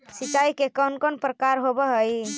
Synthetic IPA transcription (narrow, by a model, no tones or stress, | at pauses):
sit͡ʃajkekənkonpɾəkaɾɦobɛɦəj